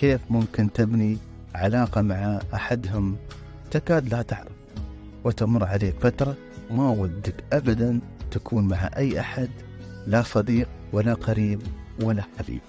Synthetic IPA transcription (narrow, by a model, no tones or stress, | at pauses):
keːfmʊmkɪnt̪ɪbni | ʕalɑːqɑmaʕaʔaħad̪ɦʊm | t̪akaːd̪lat̪aʕɾaf | wɪt̪amʊrˤːʕaleːkfat̪ɾˤɑ | mawad̪ːɪkʔabad̪ant̪akʰuːnmaʕa̰ʔajːʔaħad̪ | lasˤɑd̪iːqwalaqɑɾiːbwalːaħabḭːb̥̚